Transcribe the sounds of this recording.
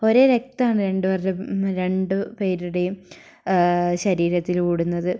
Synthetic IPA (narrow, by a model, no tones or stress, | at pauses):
o̞ɾeːɾek̚t̪aːɳɨɾe̞ɳɖɨʋɐreɾe̞ɳɖɨpe̞ːɾuɽe̞jum | ɕɐɾiːɾɐt̪ːilkuːɽunːɐðɨ